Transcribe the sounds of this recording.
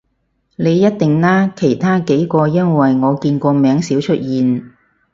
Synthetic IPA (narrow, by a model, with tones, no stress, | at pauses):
ne˨˧jjɐ˥t̚t̪ɪ˨ŋlaː˥kʰe˨˩jt̪ʰaː˥ke˨˥jkɔː˧jɐ˥nwɐ˨jŋɔː˨˧kiː˧nkʷɔː˧mɛː˨˥ŋsiː˨˥wt͡ʃʰɵ˥t̚jiː˨n